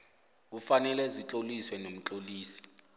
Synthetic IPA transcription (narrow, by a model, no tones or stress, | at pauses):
k̬ufanɛlɛzit͡ɬʼoliswɛnom̩t͡ɬʼoliːsi̥